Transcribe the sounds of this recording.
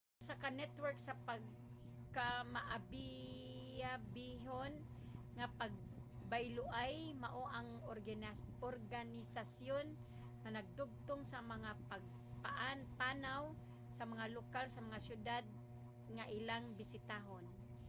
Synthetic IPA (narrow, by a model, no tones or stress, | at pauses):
ʔʊsakanɛt̪wɛɹksapaɡ̚ | kamaʔabɪ | abɪɦon | ŋapaɡ̚ | bajlʊʔajmaʔoʔaŋ | oɾɡanɪsasjon | ŋanaɡ̚d̪ʊb̚t̪oŋsamaŋapaɡ̚ | paʔanpanaw | samaŋalokalsamaŋasjʊd̪ad̪̚ | ŋaʔɪlaŋbɪsɪt̪aɦon